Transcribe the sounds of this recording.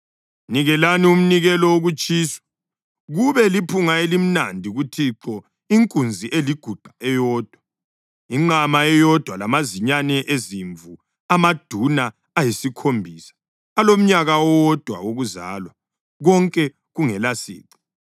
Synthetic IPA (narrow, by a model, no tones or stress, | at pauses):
niɣɛlanium̩niɣɛlɔoɣut͡ʃʼiːsɔ̥ | ɣuβɛlipʰuŋaelim̩nandʱiɣutʰiǁɔ | iŋkʼund͡zʱiʔeliɡ̥ʱuɡ͡ǃ̥ʱaɛjɔːd̥ʱwa | iŋ͡ǁamaɛjɔd̥ʱwalamaziɲanɛʔeziɱvu | amad̥ʱunaː | jisikʰombʱisḁː | lom̩ɲaɣawwɔd̥ʱwa̰oɣuza̰ːlwa | ɣɔŋkʼɛ | ɣuŋɛlasḭːǃɔ̥